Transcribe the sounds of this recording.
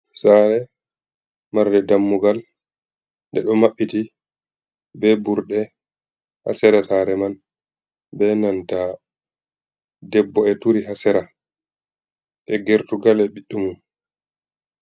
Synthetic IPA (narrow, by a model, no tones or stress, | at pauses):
saɾɛ | maɾdɛdamːuɡal | ndɛɗɔmaɓːiti | bɛbuɾɗɛ | ha̰sɛɾasaɾɛman | bɛnanta | dɛbːɔɛtuɾiɦasɛɾa | ʔɛɡeɾtuɡalɛɓiɗːumum